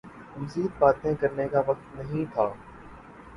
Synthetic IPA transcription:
məziːd̪̚baːt̪ẽkəɾnekaːʋɐk̚t̪nəɦĩːt̪ʰaː

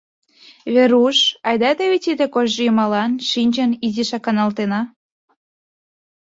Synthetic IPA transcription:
βeɾuʃɑjd̪ɑt̪eβet̪ʲid̪ĕkoʒʒɤjumɑlɑnʃinʲt͡ɕə̆niziʃɑkɑnɑlt̪enɑ

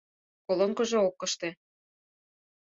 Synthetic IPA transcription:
koloŋkɤ̆ʒeokːɤ̆ʃt̪ĕ

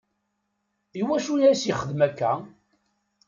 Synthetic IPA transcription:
iwæʃunæsjiχəðmækːæ

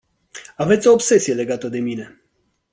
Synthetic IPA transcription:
avet̪sʲo̞ːbse̞sije̞le̞ɡat̪əd̪e̞mine̞

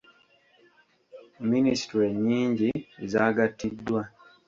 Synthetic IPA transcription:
minisi̥tɾe̞ɲːiːɲɟiezaːɡatːidːwa

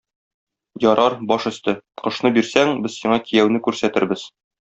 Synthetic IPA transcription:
jɒɾɑɾbɒʃɵ̆st̪ɘqɤ̆ʃnɤbiɾsæŋbɘzsiɴɑkijæwnɘkʉɾsæt̪ɘ̆ɾbɘz̥

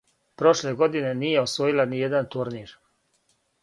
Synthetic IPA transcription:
pɾo̞ʃle̞ɡo̞d̪ine̞nijeosʋo̞jilanijed̪ant̪uɾniːɾ

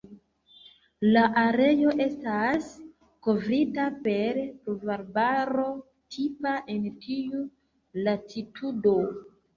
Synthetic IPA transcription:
laʔaɾe̞jo̞ʔe̞stas | ko̞vɾitape̞ɾpuvaɾbaɾo̞ | tʰipaʔe̞ntʰiu | latitʰudo

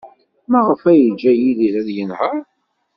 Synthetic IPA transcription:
mæʁəfæjəd͡ʒːæjiliɾæðjənhəɾ

